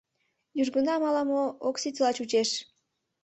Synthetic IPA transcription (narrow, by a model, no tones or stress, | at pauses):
juʒɡunɑmɑlˠɑmooksit̪ʲlˠɑt͡ɕut͡ɕeʃ